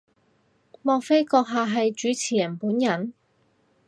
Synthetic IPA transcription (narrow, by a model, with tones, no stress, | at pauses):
mɔː˧k̚fe˥jkɔː˧k̚ɦaː˨˧ɦɐ˨jt͡ʃyː˨˥t͡sʰiː˨˩jɐ˨˩npuː˨˥njɐ˨n